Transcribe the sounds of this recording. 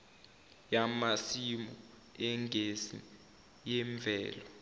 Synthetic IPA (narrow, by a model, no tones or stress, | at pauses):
jamasimɔ | ɛŋɡʱezi | jɛɱb̪vʱɛ̰ːlɔ